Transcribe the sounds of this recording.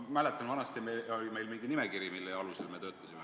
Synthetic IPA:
mæle̞t̪ːˑɑnvɑnɑst̪jɑmeolʲime̞jlmiŋɡ̥inimekiɾjimilːeɑluse̞lme̞t̪øːt̪ːˑɑ̥sime

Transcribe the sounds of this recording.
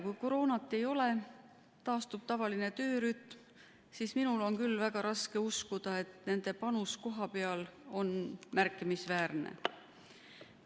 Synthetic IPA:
kujko̞ɾo̞ːnɑt̪ˑːe̞jo̞le̞ | t̪ɑːst̪ub̥̚t̪ɑvɑlinet̪ø̞ːɾyt̪m | sisminulo̞nkylːvæɡ̥ɑɾɑske̞uskud̪̥ɑe̞t̪ne̞nd̪̥e̞pɑnusko̞ɦɑpe̞ɑlo̞nmærkːˑimisvæːrnḛ

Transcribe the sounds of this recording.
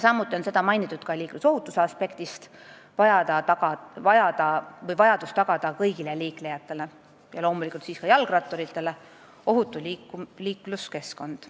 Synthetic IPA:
jsɑmːut̪ːˑio̞nse̞d̪̥ɑmɑjnit̪ːˑut̪kɑliːkluso̞ɦut̪ːˑuseɑspe̞kt̪ist̪ | vɑjɑd̪̥ɑɑɡ̥ɑvɑjɑd̪ɑvɤjvɑjɑd̪̥ust̪ɑɡ̥ɑd̪̥ɑkɤjɡ̥ileliːklejɑt̪ːˑe̞le̞ | jɑlo̞ːmulikult̪siːskɑjɑlɡ̥rɑt̪ːˑo̞ɾit̪ːˑe̞le̞ | o̞ɦut̪ːˑulikuliːkluske̞sko̞nd̪̥

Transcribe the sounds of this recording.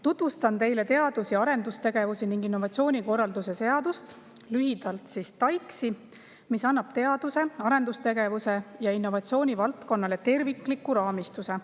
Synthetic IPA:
t̪ut̪vust̪ɑnt̪e̞jle̞t̪e̞ɑd̪usiɑɾe̞nd̪ust̪e̞ɡ̥e̞vusiniŋɡ̥inːo̞vɑt̪sio̞ːnʲiko̞rːɑld̪use̞se̞ɑd̪ust̪ | lyɦid̪̥ɑlt̪sist̪ɑjksi | misɑnːɑb̥t̪e̞ɑd̪̥use̞ɑɾe̞nd̪ust̪e̞ɡ̥evuse̞jɑinːo̞vɑt̪sio̞ːnʲivɑlt̪ko̞nːɑle̞t̪e̞rvikːˑlikːˑuɾɑːmist̪use̞

